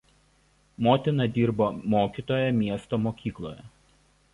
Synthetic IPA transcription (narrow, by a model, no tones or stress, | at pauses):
moːt̪ʲɪnɐd̪ʲiːɾboːmoːkʲit̪oːjɛmʲiɛst̪oːmoːkʲiːklˠo̰ːjɛ